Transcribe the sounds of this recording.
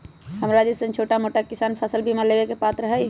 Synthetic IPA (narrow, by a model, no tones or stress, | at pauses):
ɦəmɾaːd͡ʒisə̃nt͡ʃʰoːʈamoːʈakɪsaːnpʰəsəlbʱimẽlebekepaːt̪ɾəɦə